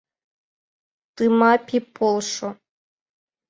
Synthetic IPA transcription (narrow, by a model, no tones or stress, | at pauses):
t̪ɨmapʰʲipʰolˠʂo